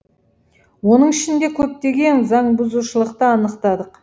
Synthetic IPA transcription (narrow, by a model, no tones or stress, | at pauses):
wo̞nəɴɪʃɪnd̪e̞kʲʰɵp̚t̪e̞ɡʲe̞nzɑɴbʊzuʃəlˠəqt̪əɑnəqt̪ɑd̪əq